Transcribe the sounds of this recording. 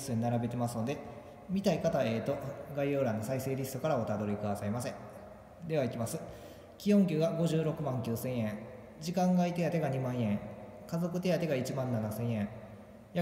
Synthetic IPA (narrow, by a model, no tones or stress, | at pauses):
sɨɲinaɾabe̞t̪e̞masɨno̞d̪e̞ | mʲit̪aikat̪ae̞ːt̪o̞ɡaijo̞ːɾãnːosaise̞ːɾʲisɨ̥t̪o̞kaɾao̞t̪ad̪o̞ɾʲikɯ̟d̪asaimasẽ̞ŋ | d̪e̞βaikʲimasɨ | kʲijõ̞ŋk̬ʲɨːɡaɡo̞ʑɨːɾo̞kɯ̟mãŋkʲɨːsẽ̞ɰ̃ẽ̞ŋ | d͡ʑikãŋɡait̪e̞jat̪e̞ɡaɲ̟imãɰ̃ẽ̞ŋ | kazo̞kɯ̟t̪e̞jat̪e̞ɡait͡ɕimãnːanasẽ̞ɰ̃ẽ̞ŋ | ja